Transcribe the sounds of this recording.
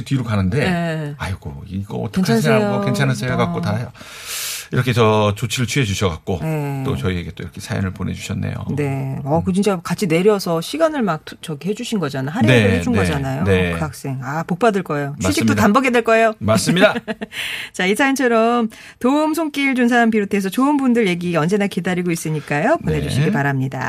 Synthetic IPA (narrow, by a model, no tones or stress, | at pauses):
tɥiɾokanɯnde̞ajɡoiɡʌːtʰaenkt͡ɕʰansʰeaookent͡ɕʰanasʰeɾaɡak͈otaʌ | iɾʌkʰe̞t͡ɕʌt͡ɕot͡ɕʰiɾɯɭt͡ɕʰɥied͡ʑuɕʰʌɡak̚k͈onet͈ot͡ɕʌieɡe̞t͈oiɾʌkʰe̞sʰajḭnɯɭpone̞̰d͡ʑuɕʰʌnːḛjo̰ne̞ʌkɯt͡ɕʰint͡ɕ͈akat͡ɕʰine̞ɾjʌsʰʌɕʰiɡanɯɭmak̚t͡ɕʌɡeɦe̞d͡ʑuɕʰinɡʌd͡ʑanaɦaɾeeeet͡ɕʰunʌd͡ʑanajonekak̚s͈e̞ŋapok̚p͈adɯɭk͈ʌejot͡ɕiɕ͈ʰikt͈otanbʌɡedweɭk͈ʌe̞jomas͈ɯmɲida | t͡ɕaisʰaint͡ɕʰʌɾʌm | toɯmsʰoŋk͈iɭt͡ɕunsʰampiɾotʰeːs̬ʰʌt͡ɕoɯnbundɯɭje̞ɡiʌnd͡ʑe̞nakedaɾiɡois͈ɯɲik͈ajopone̞d͡ʑuɕʰiɡipaɾamɲida̰